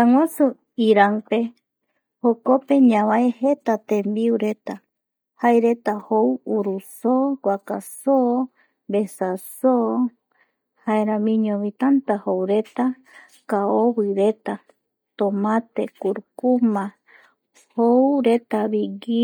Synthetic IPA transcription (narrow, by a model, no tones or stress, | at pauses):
aŋʷasu | iɾanpe | hokopeɲãβaehet̪at̪ẽmbiuɾe̞t̪a | haeɾe̞t̪ahowuɾusokʷwakaso | besaso | haeɾamĩɲõβit̪ant̪ahowɾet̪a | kaowiɾet̪a | t̪omãt̪ekuɾkumã | howɾe̞t̪aβiɡi